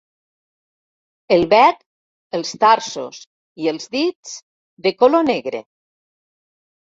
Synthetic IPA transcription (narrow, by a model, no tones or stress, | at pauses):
əlˠβɛk | əlˠst̪aɾso̰s | iəlˠzðit͡s | d̪ekoloneɣɾḛ